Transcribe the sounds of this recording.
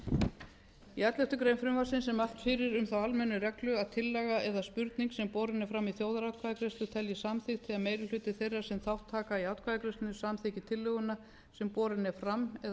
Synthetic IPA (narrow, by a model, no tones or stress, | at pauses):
iɛt̪lɛht̪ʏkɾejnfɾʏmvasɪnsɛmalt̪fɪɾɪɾʏmθawalmɛnːʏrɛklʏaðt̪ʰɪlːɛɣaɛðaspʏɾt̪niŋksɛmpɔːɾɪnːɪfɾamːiθjoːwðaɾawt̪kʰvaðakɾɛst̪ʏt̪ʰɛljɪsamθɪxt̪ʰɪaðmejɾʏl̥ʏːt̪ɪθejrːaɾsɛmθawht̪ʰːaːkaiawt̪kvaðakɾɛst̪ʏnʏsamθɪːcɪt̪ʰɪlːʏɣʏna | sɛmpɔːɾɪnːɛfɾamɛ